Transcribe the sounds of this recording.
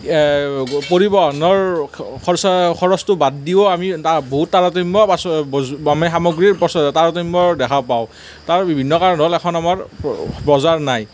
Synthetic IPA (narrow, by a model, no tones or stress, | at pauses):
poɹibɔnɔɹkʰɔskʰɔɹɔstʊbaddiɔamitaboɦutːaɹatimbɔbasamɛxamɔɡɹiɹpɔstaɹatimbɔdɛkʰapaʊ̃ | taɹbibʱinːɔkaɹɔnɔlɛkʰɔnamaɹpɹɔzaɹnaj